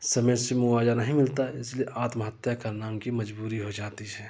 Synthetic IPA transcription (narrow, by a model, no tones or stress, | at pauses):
sɐməjsemʊwaːd͡ʒanɐɦĩmɪlt̪aɪslieʔaːt̪məɦət̪jakaɾnaːmkimɐd͡ʒbuːɾiɦod͡ʒaːt̪iɦɛː